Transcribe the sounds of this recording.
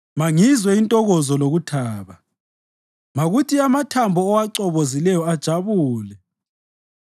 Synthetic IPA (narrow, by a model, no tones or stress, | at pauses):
maŋizwɛintʼɔɣɔzɔloɣutʰaːβa | maɣutiamatʰambʱɔːwaǀɔβozilɛjɔad̥ʒ̥ʱaβuːlɛ